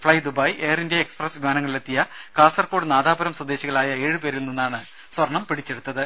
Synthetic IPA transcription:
fɭɐjd̪ubɐjeːrinde̞ːkspresʋimaːnɐŋːɐɭilet̪ːijɐkaːsɐrkoːɽɨnaːðaːbɐɾɐmsɐd̪eːɕiɣɐɭaːjɐeːɻɨpe̞ːɾilninːaːɳɨ | sʋɐrɳɐmpiɽit͡ɕːe̞ɽut̪ːɐðɨ

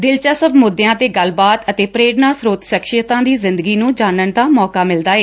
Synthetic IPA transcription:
d̪ɪlt͡ʃaːsəbmʊd̪ːejãːt̪eːɡəlbaːt̪ət̪eːpɾeːɽnaːsɾoːt̪ʃəkʃɪjt̪ãːd̪iːzɪ̃nd̪əɡiːnũːd͡ʒaːnənd̪aːmɔːkaːmɪld̪aːeː

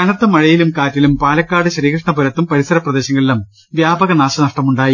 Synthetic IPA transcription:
ɐnɐrt̪ːɐmɐɻɐjilumkaːtːilumpaːlɐkːaːɽɨɕɾiːkʂɐɳɐpuɾɐt̪ːumpɐɾisɐɾɐprɐd̪e̞ːɕɐŋːɐɭilɐm | ʋjaːbɐɣɐnaːɕɐnɐʂʈɐmuɳɖaːji

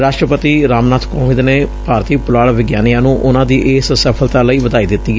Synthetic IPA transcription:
ɾaːʃʈɾəpət̪iːɾaːmnaːt̪ʰkɔːʋɪ̃d̪neːpaːɾt̪iːpʊlaːɽʋɪɡjaːnijãːnũːʔʊnãːd̪iːʔɪːssəpʰəlt̪aːləiːʋəd̪aːiːd̪ɪt̪ːiː

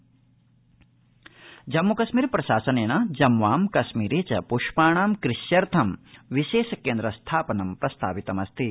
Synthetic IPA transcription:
d͡ʒɐmːukɐʃmiːɾpɾɐʃaːsɐneːnad͡ʒɐmʋaːmkɐʃmiːɾeːt͡ʃɐpuʂpaːɳaːmkɾiʃjɐɾt̪ʰɐmʋiʃeːʃɐkeːnd̪ɾɐst̪ʰaːpɐnɐmpɾɐst̪ʰa̰ːʋit̪ɐmɐst̪ʰi

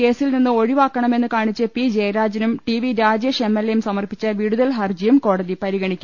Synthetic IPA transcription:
ke̞ːsilninːɨo̞ɻiʋaːkːɐɳɐme̞nːɨkaːɳit͡ɕːɨpid͡ʑejɐɾaːd͡ʑɐnumʈiʋiɾaːd͡ʑjɐʂemːelːɐjumsɐmɐrpit͡ɕːɨʋiɽuðɐlɦɐrd͡ʑɐjumko̞ːɽɐðipɐɾiɣɐɳikʲːumm

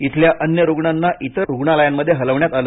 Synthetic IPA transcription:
it̪ʰljaʔənjəɾuɡɳanːaʔit̪əɾuɡɳaləjamːəd̪ʱːjeɦələʋɳjat̪alə

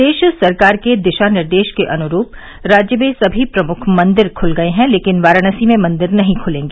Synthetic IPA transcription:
d̪eːʃsɐɾkaːɾked̪ɪʃanɪɾd̪eːʃkeʔɐnʊɾuːp | ɾaːd͡ʒjəmẽsɐbʱipɾɐmʊkʰmɐ̃nd̪ɪɾkʰʊlɡɐeɦɛ̃leːkɪnʋaːɾaɽ̃əsimẽmɐ̃nd̪ɪɾnɐɦĩkʰʊlẽːŋɡeː

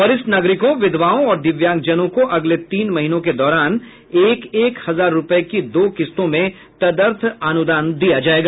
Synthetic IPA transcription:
ɐɾɪsnaɡɾɪkõʋɪd̪ʋaːõɔːɾd̪ɪʋjãːŋkd͡ʒənõkoʔɐɡlet̪iːnmɐɦinõked̪ɔːɾaːn | eːkeːkhɐzaːɾːʊpəekid̪oːkɪst̪õmẽ | t̪ɐd̪əɾt̪ʰaːnʊd̪aːnd̪ijad͡ʒaːeːɡaː

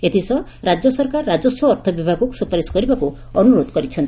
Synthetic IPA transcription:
et̪ʰisɔɾad͡ʒjɔsɔɾkaɾːad͡ʒɔswɔːɾt̪ʰɔbibʱaɡuksupɔɾesɔ̥kɔɾibaku | ɔnuɾod̪kɔɾit͡ʃʰɔnt̪

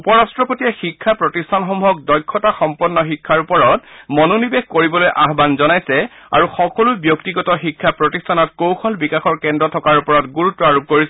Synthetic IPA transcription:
upɔɹastɹɔpotiɛxikʰːapɹɔtistʰanxɔmuɦɔk̚dɔjkʰːɔtaxɔmpɔnːɔxikʰːaɹupɔɹɔt̚mɔnonibexkoɹibɔlojʔaɦbanzɔnajsɛa̰ɹuxɔkɔlubjoktiɡɔtɔxikʰːapɹɔtistʰanɔt̚kowxʰɔlbikaxɔɹkɛndɔtʰɔkaɹupɔɹɔtɡuɹutːɔaɹup̚koɹisɛ

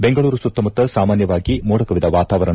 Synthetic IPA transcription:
beŋɡɐɭuːɾusut̪ːɐmut̪ːɐsaːmaːnjɐʋaːɡimuːɽɐkɐʋid̪ɐʋaːt̪aːʋɐɾɐɳ

